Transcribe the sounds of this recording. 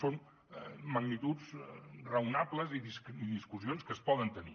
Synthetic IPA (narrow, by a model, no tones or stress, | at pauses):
son | məɡnit̪ud͡zrəwnapləziðisðiskuzionskəspɔðənt̪ənḭ